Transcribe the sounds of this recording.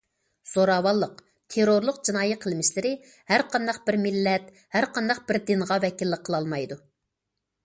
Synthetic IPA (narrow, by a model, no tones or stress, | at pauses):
z̥oɾɑːwɑlˠːəq | t̪ʰeɾoɾlˠʊqd͡ʒinɑːjɨqʰəlˠmɪʃlɪɾɪ | hæɾqʰɑnd̪ɑq̚bɪɾmɪlːɛt̪̚ | hæɾqʰɑnd̪ɑq̚bɪɾd̪ɪnʁɑvɛkʲilːɪqʰəlˠɑlˠmɑjd̪u